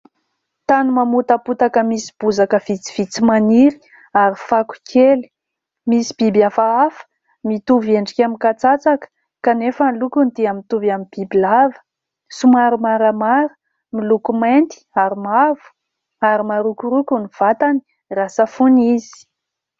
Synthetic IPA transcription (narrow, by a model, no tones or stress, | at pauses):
t̪anumamut̪aput̪akəmisi̥b̥uzakəv̥it͡si̥v̥it͡simaniɾi̥ | aɾifaku̥kʰeli̥ | misi̥b̥ibafaafə̥ | mit̪uveɳɖ͡ʐikʲamikat͡sat͡sakə̥ | kanefənlukunt̪iamit̪uvamib̥ibilavə̥ | sumaɾumaɾəmaɾə̥ | milukument̪i̥aɾimavu̥ | aɾimaɾukuɾukuniv̥at̪ani̥ | rasəfunizi̥